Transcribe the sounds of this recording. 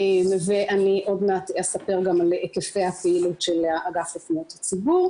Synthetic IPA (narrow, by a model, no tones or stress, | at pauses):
emveʔaniʔo̞d̪nat̪easapeʁɡamalekefejapeilutʃelaaɡaflifnot̪hat͡sibuʁ